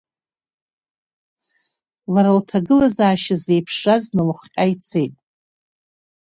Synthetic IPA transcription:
laɾaltʰaɡɨlazaːʃaze̞jpʰʂaznɨlaχʷqʲʼajt͡sʰe̞jtʼ

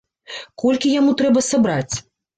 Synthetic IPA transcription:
kɔlʲkʲijamut̪ɾɛbɐsabɾat͡sʲ

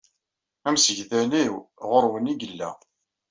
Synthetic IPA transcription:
æmsəʝðæniwʁʊɾwəniɡəlːæ̰

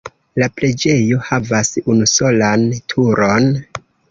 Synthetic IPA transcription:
lapɾe̞d͡ʒe̞jo̞havasunuso̞lantʰuɾo̞n

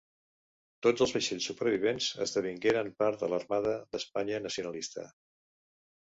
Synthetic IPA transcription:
t̪od͡zəlˠzβəʃeʎsːupəɾβ̞iβ̞enzə̰zðəβ̞iŋɡeɾəmpaɾt̪ðələrmaðəðəspaɲənəsiunəlist̪ə̰

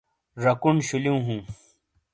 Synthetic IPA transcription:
ɾɐkuɳɕuliũɦũː

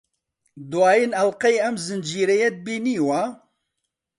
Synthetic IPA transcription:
d̪waːjinɐlqɛjɛmzɨnd͡ʒiːɾɛjɛt̪̚biːniːwa

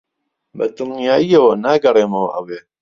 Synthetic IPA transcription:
bɐ̰t̪ɨlnijaːiɐwɐnaːɡɐrˤeːmɐwɐ̰ʔɐweː

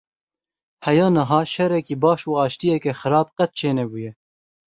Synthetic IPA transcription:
hɛjɑːnɐɦɑːʃɛɾɛkiːbɑːʃuːɑːʃt̪ijɛkɛxɨɾɑːb̚qɛt̪̚t͡ʃʰeːnɛbuːjɛ

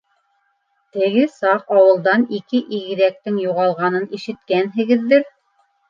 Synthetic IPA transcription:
t̪ɘ̆ɣɘsɑqɑwɤ̆lˠd̪ɑnikɘʔiɣɘ̆ɾæk̚t̪ɘŋjuʁɑlˠʁɑnɤniʃɘ̆t̪kænɦɘ̆ɡɘ̆ðːɘɾ

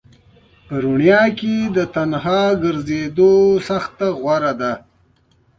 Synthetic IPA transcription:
pəɾʊɳjɑked̪ət̪anhɑɡəɾzed̪osaxt̪aɣwaɾad̪a

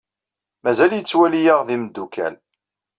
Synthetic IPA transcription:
mæzæljət͡sːwælijaʁðiməd̪ːukʰæ̰n

